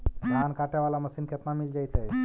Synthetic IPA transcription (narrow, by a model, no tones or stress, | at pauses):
ɡʱankaʈaʋalaməsiːnkʰet̪namild͡ʒajt̪ej